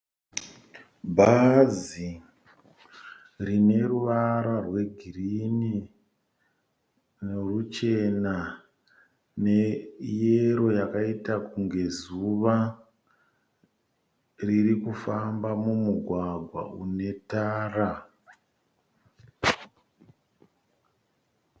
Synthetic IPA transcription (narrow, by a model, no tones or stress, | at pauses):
bʱazi | rine̞ruʋaɾarwe̞ɡʱirini | nerut͡ʃe̞na | ne̞jeɾo̞jakaitakuŋɡe̞zuʋa | ririkufambamumuɡʱwaɡʱwa̰ʔune̞taːra